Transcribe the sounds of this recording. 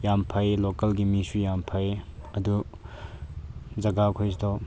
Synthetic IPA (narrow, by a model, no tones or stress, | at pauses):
jampʰɐjlokɐlɡimisujampʰɐjɐdu | zɐɡakʰojsdɔ